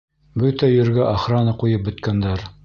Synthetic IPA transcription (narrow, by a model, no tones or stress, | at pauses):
bɵt̪æjɵ̆ɾɡæʔɑχɾɑnɤqujɤp̚bɵ̆t̪kænd̪æɾ